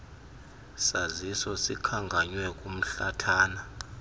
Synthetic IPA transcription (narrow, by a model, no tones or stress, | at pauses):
sazisɔsikʰaŋɡʱaɲwɛkʼum̩ɬatʰaːna